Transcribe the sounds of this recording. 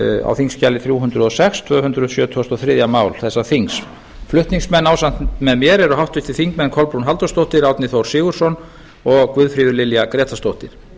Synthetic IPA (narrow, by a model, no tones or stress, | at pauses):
a̰wθiŋscalːɪθɾjuːɦʏnt̪ɾʏðɔsɛkst̪ʰvœːhʏnt̪ɾʏðsjœːt̪ʰvɔst̪ɔθɾɪːðjamaːwlθɛsːaθiŋs | flʏht̪niŋsmɛnːawsan̥t̪mɛðmjɛɾɛɾʏɦawht̪ʏçt̪ɪθiŋkmɛnkʰɔlpɾunɦalt̪ɔst̪owht̪ɪɾawt̪nɪθowɾ̥sɪːɣʏɾ̥sɔn | ɔɣkvʏðfɾɪːðʏɾlɪljakɾɛːt̪ʰast̪owht̪ɪɾ̥